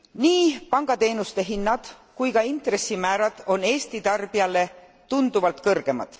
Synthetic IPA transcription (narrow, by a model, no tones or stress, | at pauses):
niːpɑŋɡ̥ɑt̪e̞ːnust̪e̞ɦinːɑd̪̥kujkɑint̪ɾe̞sːimæːɾɑd̪̥o̞ne̞ːst̪it̪ɑrb̥iɑle̞ | t̪und̪̥uvɑlt̪kɤrɡ̥e̞mɑ̰d̪̥